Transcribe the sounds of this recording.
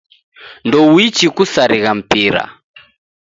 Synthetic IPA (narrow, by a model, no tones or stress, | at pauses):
ndɔwit͡ʃikusaɾiɣam̩piɾa̰